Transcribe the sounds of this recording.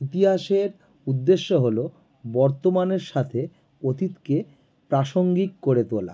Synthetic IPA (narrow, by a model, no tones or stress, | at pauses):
it̪iɦaʃeɾ | ud̪ːeʃːoɦolo | bɔɾt̪omaneɾʃat̪ʰe | ot̪it̪ke | pɾaʃoŋɡikkoɾet̪ola̰